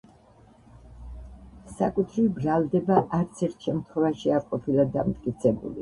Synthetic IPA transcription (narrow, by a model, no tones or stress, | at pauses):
sakʼut̪ʰɾibɾalˠd̪ɛbaʔaɾt̪sʰɛɾt̪ʰʃɛmt̪ʰχwɛvaʃiaqʼɔpʰilˠad̪ːa̰mt̪ʼkʼit̪sʰɛbṵlḭ